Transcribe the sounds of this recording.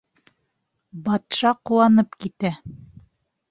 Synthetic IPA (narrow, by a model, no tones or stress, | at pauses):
bɑt̪ʃɑquwɑnɤpkit̪æ